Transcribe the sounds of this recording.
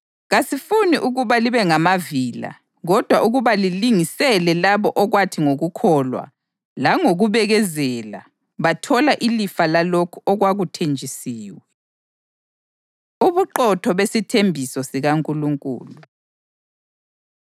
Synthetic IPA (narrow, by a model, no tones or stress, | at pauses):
ɣasifuniʔuɣuβaliβɛŋamaviːla̰ | ɣɔd̥ʱwaʔuɣuβaliliŋisɛlɛlaβɔʔɔɣwatʰiŋoɣukʰɔlwa̰ | laŋoɣuβɛɣɛzɛla̰ | βatʰɔlaʔilifalalokʰuɔɣwaɣutʰend͡ʒʱisiːwɛ | uβuǃɔtʰɔβesitʰembʱisɔsiɣaŋkʼuluŋkʼṵːlu